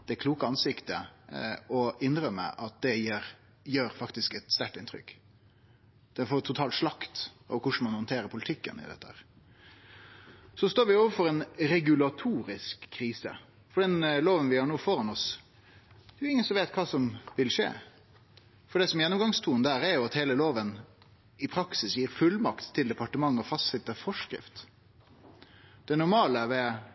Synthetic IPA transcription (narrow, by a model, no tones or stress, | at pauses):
d̪̥ɛkʰluːkəɑnsɪkt̪ə̰ | ɔɪnːɾœmːə̰ʔɑt̪̚d̪ɛjeːɾ | jøːɾfɑkt̪ɪskɛt̪st̪æʈɪnt̪ʰɾʏ̰kː | d̪̥ɛnfoːt̪ʰʊt̪ʰɑːlʂlɑkt̪ | ɔ̰kʊʂɳ̩mɑnhɔnt̪ʰeːɾəɾpʰʊlɪt̪ʰɪkːə̰nɪ̰d̪ɛ̰t̪ːəhæ̰ːɾ | sɔst̪oːɾʋɪoːʋəfɔɾɛnɾɛɡʉlɑt̪ʰuːɾɪskʰːɾiːsə̰ | fɔɖɛnloːʋənʋɪhɑːɳnuːfɔɾɑnɔs | d̪ʉɪŋːənsɔmʋeːt̪kʰɑːsɔmʋɪlʂḛː | fɔɖ̪ɛsɔmjɛnːɔmɡɑŋst̪ʰuːnd̪æːɾɛɾjʊɑt̪heːləloːʋən | ɪpʰɾɑksɪsjiːɾfʉlmɑkt̪ʰːɪld̪ɛpʰɑʈəmɑŋːɔfɑst̪sɪt̪ːəfɔʂkɾɪ̰ft̪ | d̪̥ɛnʊɾmɑːləʋɛ